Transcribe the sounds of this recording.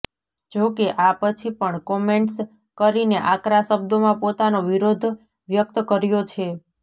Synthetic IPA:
d͡ʒokeʔapət͡ʃʰipəɳkɔmeɳʈs | kəɾineʔakɾaʃəb̚d̪omãpot̪anoʋiɾod̪ʱ | ʋjək̚t̪kəɾjot͡ʃʰe

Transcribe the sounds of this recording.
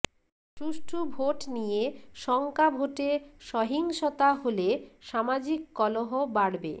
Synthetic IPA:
ʈuʃʈʰubʱoʈnijeʃɔŋkabʱoʈeʃɔɦiŋʃot̪aɦoleʃamad͡ʑikːɔloɦobaɽbḛ

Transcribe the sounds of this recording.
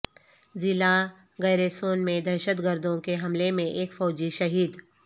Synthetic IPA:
zɪla | ɣɛːɾesoːnmẽd̪ɛɾʃət̪ɡəɾd̪õkeɦɐmlemẽʔeːkfɔːd͡ʒiʃɐɦiːd̪

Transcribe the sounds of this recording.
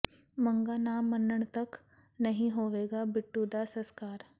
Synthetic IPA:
məŋɡanamənəɳt̪ək | nəɦĩɦoʋeːɡabiʈːud̪asəskaːɾ

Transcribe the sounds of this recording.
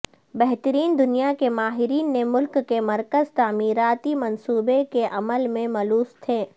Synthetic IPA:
bɛɦt̪əɾiːnd̪ʊnijakemaːɦɪɾiːnːemʊlkːemɐɾkəzt̪aːmiːɾaːt̪imɐnsuːbekeʔɐməlmẽmɐluːst̪ʰeː

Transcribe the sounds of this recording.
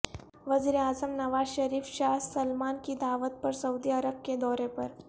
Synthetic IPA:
ʋəziːɾeaːzəmnəʋaːzɕəɾiːfɕasəlmankiːd̪aʋət̪̚pəɾsəwd̪iəɾəb̚ked̪ɔɾepəɾ

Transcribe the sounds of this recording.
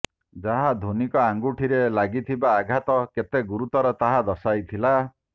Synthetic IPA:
d͡ʒaɦad̪ʱonikɔaŋɡuʈʰiɾelaɡit̪ʰibaːɡʱat̪ɔket̪eɡuɾut̪ɔɾɔt̪aɦad̪ɔsajt̪ʰila

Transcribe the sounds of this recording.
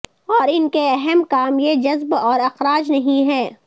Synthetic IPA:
ɔːɾɪnkeɛɦɛmkaːmjed͡ʒɐzbɔːɾɐxɾaːd͡ʒnɐɦĩɦɛː

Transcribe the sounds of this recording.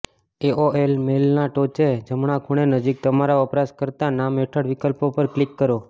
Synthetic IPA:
eoelmelnaʈot͡ʃed͡ʒəmɳ̃akʰuɽ̃enəd͡ʒik̚t̪əmaɾaʋəpɾaskəɾt̪anameʈʰəɽʋikəlpopəɾklikːəɾo

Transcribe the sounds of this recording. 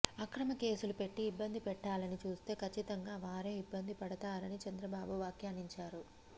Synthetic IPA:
ɐkɾɐmɐke̞ːsulupe̞ʈːiːbːɐnd̪ʱipɛʈːaːlɐnit͡ʃuːst̪e̞ːkʰɐt͡ʃːit̪ɐŋɡaːʋaːɾe̞ːibːɐnd̪ʱipɐɽɐt̪aːɾɐnit͡ʃɐnd̪ɾɐbaːbuʋaːkjaːniɲt͡ʃaːɾu

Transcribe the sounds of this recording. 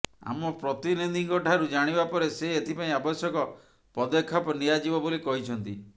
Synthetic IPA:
a̰mɔpɾɔt̪inid̪iŋɡɔʈʰaɾud͡ʒaɽ̃ibapɔɾeseet̪ʰipaĩabɔsjɔkɔ | pɔd̪ɔkʰːapɔnijad͡ʒibɔbolikɔɦit͡ʃʰɔnt̪i

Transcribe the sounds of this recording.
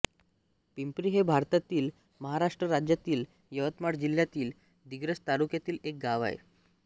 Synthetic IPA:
pimpɾiɦebʱaɾt̪at̪iːl | məɦaɾaʂʈɾəɾad͡ʑjat̪iːl | jəʋət̪maɽd͡ʑiljat̪iːl | d̪iɡɾəst̪aɾukjat̪iːlek̚ɡaʋa̰ḛ

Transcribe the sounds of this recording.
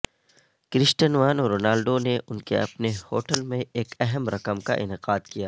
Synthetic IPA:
kɾɪsʈənʋaːnːɾoːnaːlɖoneʔʊnkḛɐpnehoːʈəlmẽeːkɛɦəmɾɐkəmka̰ʔɪ̰nɪqaːd̪kijaː

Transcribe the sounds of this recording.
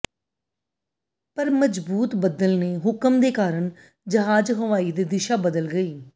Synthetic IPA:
pəɾməd͡ʒbuːt̪bəd̪əlneːɦʊkəmd̪eːkaːɾəɳ | d͡ʒəɦaːd͡ʒɦəʋaːiːd̪eːd̪ɪʃaːbəd̪əlɡəiː

